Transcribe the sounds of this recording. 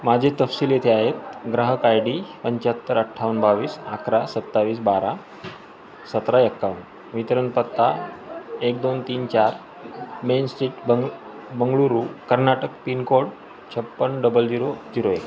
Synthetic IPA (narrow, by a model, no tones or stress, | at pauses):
mad͡ʑʱet̪əfsiːljet̪ʰeaɦet̪̚ɡɾaɦəkajɽipəɲt͡ɕat̪ːəɾəʈʰːaʋənbaʋiːsakʰɾasət̪ːaʋiːs̬baɾa | sət̪ɾaekːaʋən | ʋit̪ɾənpət̪ːa | ek̚d̪ont̪iːnt͡ɕaɾ | mensʈɾiːʈbə | bəŋɡɭuɾukəɾnaʈəkpinkoɽ | t͡ɕʰəpːənɖəbəld͡ʑiɾod͡ʑiɾoek